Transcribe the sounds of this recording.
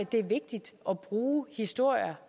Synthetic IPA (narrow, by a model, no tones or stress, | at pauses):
æd̥e̝æɐʋe̝ɡ̥̚d̥id̥ʔɒb̥ʁuːhisd̥o̝ɐ̰jɐ